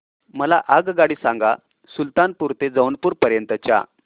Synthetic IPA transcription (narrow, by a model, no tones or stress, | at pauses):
məlaʔaɡɡaɽiːsaŋɡa | sult̪anpuɾt̪ed͡zəwnpuːɾpəɾjənt̪ət͡ɕa̰